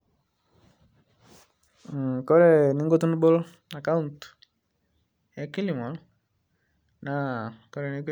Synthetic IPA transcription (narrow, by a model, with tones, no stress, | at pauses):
kɔ˦ɾɛ˨ni˦ŋɡo˦t̪u˦n˦bo˦l | na˨ka˦unt | ja˦ki˦li˨mɔ˨l | nakɔ˦ɾɛ˨ni˦k